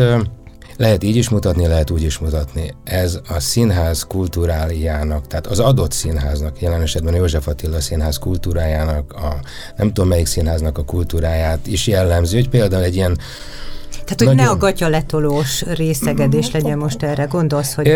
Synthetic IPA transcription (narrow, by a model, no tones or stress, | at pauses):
lɛɦɛt̪iːɟiʃmut̪ɒt̪nilɛɦɛt̪uːɟiʃmut̪ɒt̪niɛzɒsinɦaːzkult̪uːɾaːljaːnɒkt̪ɛːt̪ɒzɒd̪o̞t̪sinɦaːznɒkjɛlɛnɛʃɛd̪bɛnjoːʒɛfɒt̪ilːɒsinɦaːskult̪uːɾaːjaːnɒkɒ | nɛmt̪omːɛjiksinɦaːznɒkɒkult̪uːɾaːjaːt̪iʃjɛlːɛmziːhocpeːld̪aːulɛɟːijɛn | t̪aːt̪honɛɒɡɒcɒlɛt̪oloːʃreːsɛɡɛd̪eːʃlɛɟɛnmo̞ʃt̪ɛrɛɡo̞nd̪o̞lsho